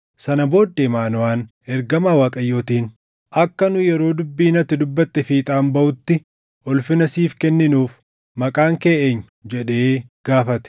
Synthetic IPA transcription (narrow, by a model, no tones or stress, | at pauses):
sɐnɐbo̞ːd̪ːemaːnʊwaːn | ɛɾɡɐmaːwaːkʼɐjːo̞ːt̪iːn | ʔɐkːɐnʊjɛɾo̞ːd̪ʊbːiːnɐt̪ːɪd̪ʊbːɐt̪ːɛfiːt̪ʼaːmbɐʔʊt̪ːɪ | ʔɔlfɪnɐsiːfkɛnːɪnuːf | mɐkʼaːŋke̞ːʔeːɲːʊd͡ʒɛᶑe̞ːɡ̥aːfɐt̪ɛ̥